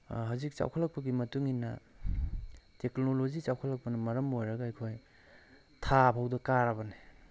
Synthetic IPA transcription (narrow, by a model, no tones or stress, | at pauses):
ɦawzik̚t͡ʃa̰wkʰɐlɐk̚pɐɡimɐtuŋinːɐ | teknolozit͡ʃawkʰɐlɐk̚pɐnɐmɐɾɐmojɾɐɡɐːjkʰoj | tʰapʰawdɐkaɾɐbɐne